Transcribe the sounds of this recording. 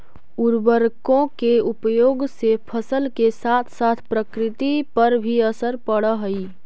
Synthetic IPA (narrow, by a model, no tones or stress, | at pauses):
uɾbəɾkõkeupjoːɡsepʰəsəlkesat̪ʰsat̪ʰpɾəkɾɪt̪ipəɾbʱiəsəɾpəɽəɦəi